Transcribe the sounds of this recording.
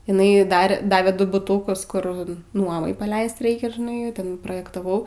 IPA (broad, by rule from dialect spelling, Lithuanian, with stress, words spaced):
ɪˈnɐɪ ˈdɐr ˈdɑːʋʲeː ˈdʊ bʊˈtuːkʊs ˈkʊr ˈnuɔmɐɪ pɐˈlʲɛɪst ˈrɐɪkʲɛ ʒʲɪˈnɐɪ ˈtʲɛn proːjɛktɐˈʋɐʊ